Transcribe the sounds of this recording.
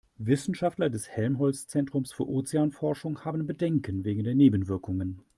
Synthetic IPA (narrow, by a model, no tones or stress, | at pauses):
vɪsn̩ʃaftlɐdɛshɛlmɦɔlst͡sɛntʁ̥ʊmsfyːɐʔoːt͡seaːnfɔɐʃʊŋhaːbn̩bədɛŋkənveːɡŋ̩deːɐneːbn̩vɪɐkʊŋən